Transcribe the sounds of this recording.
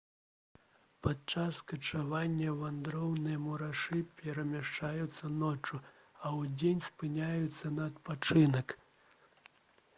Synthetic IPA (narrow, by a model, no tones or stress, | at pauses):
pat͡ʂaskɐt͡ʂavanʲːɐvand̪ɾɔwnɨjɐmuɾaʂɨpʲɛɾɐmʲaʂt͡ʂajut̪sːɐnɔt͡ʂuɐwd͡zʲenʲspɨnʲajut̪sːɐnɐːt̪pat͡ʂɨnɐk